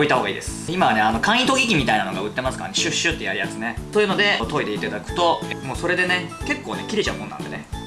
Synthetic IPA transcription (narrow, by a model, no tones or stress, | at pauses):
oit̪aɦoːɡaḭːd̪e̞sɨ̥imaβane̞ano̞kãɰ̃ĩt̪oɡʲik̬ʲimʲit̪ainano̞ɡaɯ̟t̪ːe̞masɨ̥ka̰ɾa̰neɕɨɕːɨt̪ːe̞jaɾʲijat͡sɨne̞t̪ojɯ̟ːno̞d̪e̞t̪o̞id̪e̞it̪ad̪akɯ̟̥t̪o̞moːso̞ɾe̞d̪e̞ne̞ke̞kːo̞ːne̞kʲiɾʲet͡ɕaɯmonːã̰nd̪ene